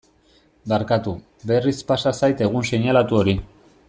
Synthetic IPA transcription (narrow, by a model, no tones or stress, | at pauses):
baɾkat̪u | be̞rispasasajt̪e̞ɣ̞unse̞ɲalat̪uo̞ɾi